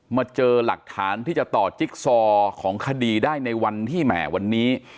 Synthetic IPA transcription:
maː˧t͡ɕɤː˧la̰˨˩k̚t̪ʰaː˩˦nt̪ʰiː˥˩t͡ɕa˨˩t̪ɔː˨˩t͡ɕi˦˥k̚sɔː˧kʰɔː˩˦ŋkʰa˧diː˧daː˥˩jna˧jwa˧nt̪ʰiː˥˩mɛ̰ː˨˩wa˧nːiː˦˥

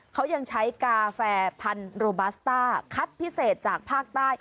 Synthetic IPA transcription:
kʰa˦˥wja˧ŋt͡ɕʰa˦˥jkaː˧fɛː˧pʰa˧nɾoː˧ba˦˥st̪aː˥˩kʰa˦˥t̪̚pʰi˦˥seː˨˩t̪̚t͡ɕaː˨˩k̚pʰaː˥˩k̚t̪aː˥˩j

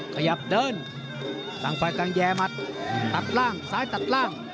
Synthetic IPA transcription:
kʰa˧ja˧˦p̚dɤː˧˨n | t̪a˧˩ŋfa˧jka˧ŋjɛː˧ma˧t̪̚t̪a˨˩t̪̚laː˥˩ŋsaː˨˦jt̪a˨˩t̪̚laː˥˩ŋ

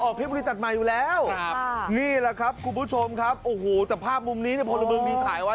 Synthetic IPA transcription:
ʔɔː˨˩k̚ʰe˦˥˩bu˧i˦˥t̪̚t͡ɕa˨˩t̪̚maː˨˧˩juː˨˩lɛː˦˥w̚niː˥˩la˨˩kʰɾa˦˥p̚kʰu˧npʰuː˦˥˩t͡ɕʰo˧mkʰa˦˥p̚ʔoː˨˩hoː˨˩t̪ɛː˨˩pʰaː˥˩p̚mu˧mniː˦˥ni˥˩əpʰɔː˧lo˧mɯː˧ŋbiː˧kʰaː˩˦jwa˦˥

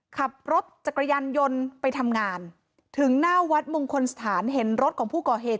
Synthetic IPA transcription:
kʰa˨˩p̚ɾo˦˥t̪̚t͡ɕa˨˩kɾa˧jaː˧njo˧npa˧jt̪ʰa˧mŋaː˧n | t̪ʰɯ˩˦ŋnaː˥˩wa˦˥t̪̚mo˧ŋkʰo˧nsḁ˧t̪ʰaː˩˦nɦe˩˦nɾo˦˥t̪̚kʰɔː˩˦ŋpʰuː˥˩kɔː˨˩ɦeː˨˩t̪̚

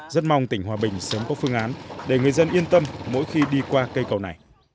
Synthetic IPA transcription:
zə˦˥t̚ma˧wŋ͡mt̪ï˧˩ŋ̟hwaː˨˩ɓï˨˩ŋ̟səː˨˦mkɔ˨˦fɨ˧əŋʔaː˨˦nɗe˧˩ŋɨ˨˩əjzə˧nʔi˧ənt̪ə˧mːo̰˧˥jxi˧ɗi˧kwaː˧kə˧jkə˨˩wna˨˩j

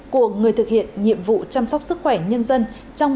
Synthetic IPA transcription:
ku˧˩əŋɨ˨˩əjt̪ʰɨ˨˩k̚hḭ˧˨ənɲḭ˧˨əmvṵ˧˨t͡ɕa˧msɔ˦˥k͡p̚sɨ˦˥k̚xwɛ˧˩ɲə˧nzə˧n | t͡ɕɔ˧wŋ͡m

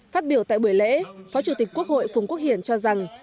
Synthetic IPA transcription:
faː˦˥t̚ɓi˧˩əwt̪a̰ː˧˨jɓu˧˩əjlḛ˧˥fɔ˨˦t͡ɕu˧˩t̪ï˨˩k̟ku˦˥ək̚ho̰˧˨jfʊ˨˩ŋ͡mkək̚hḭ˧˩ənt͡ɕɔ˧za˨˩ŋ

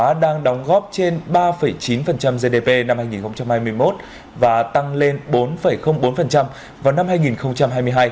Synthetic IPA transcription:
a˨˦ɗaː˧ŋɗɔ˨˦wŋ͡mɣɔ˦˥p̚t͡ɕe˧nɓaː˧fə˧˩jt͡ɕi˨˦nfə˨˩nt͡ɕa˧mze˧ɗe˧pe˧na˧mhaː˧jŋi˨˩nxə˧wŋ͡mt͡ɕa˧mhaː˧jmɨ˧əjmo˦˥t̚ | vaː˨˩t̪a˧ŋle˧nɓo˨˦nfə˧˩jxə˧wŋ͡mɓo˨˦nfə˨˩nt͡ɕa˧m | vaː˨˩wna˧mhaː˧jŋi˨˩nxə˧wŋ͡mt͡ɕa˧mhɦaː˧jmɨ˧əɦaː˧j

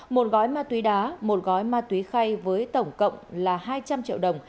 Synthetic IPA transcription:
mo˨˩t̚ɣɔ˨˦jmaː˧t̪wi˨˦ɗaː˨˦mo˨˩t̚ɣɔ˨˦jmaː˧t̪wi˨˦xa˧jvəː˨˦jt̪ə˧˩wŋ͡mkə̰˧˨wŋ͡mlaː˨˩haː˧jt͡ɕa˧mt͡ɕḭ˧˨wɗə˨˩wŋ͡m

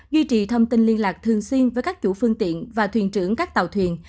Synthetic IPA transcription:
zwi˧t͡ɕḭ˨˩t̪ʰə˧wŋ͡mt̪ï˧nli˧ənlaː˨˩k̚t̪ʰɨ˨˩əŋswi˧ənvəː˨˦jkaː˦˥k̚t͡ɕṵ˧˥fɨ˧əŋt̪ḭ˧˨ənvaː˨˩t̪ʰwḭ˨˩ənt͡ɕɨ˧˥əŋkaː˦˥k̚t̪ə˨˩wt̪ʰwḭ˨˩ən

